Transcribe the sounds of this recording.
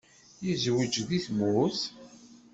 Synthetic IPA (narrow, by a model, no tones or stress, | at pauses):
jizwid͡ʒðiθmʊθ